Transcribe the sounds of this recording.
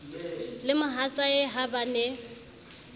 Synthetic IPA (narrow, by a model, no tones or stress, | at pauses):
lɪmʊɦat͡sʼaɪɦabanɛ